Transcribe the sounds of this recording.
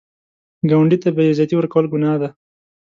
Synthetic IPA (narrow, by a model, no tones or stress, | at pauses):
ɡawaɳɖit̪abejezat̪iwəɾkawəlɡʊnɑːd̪a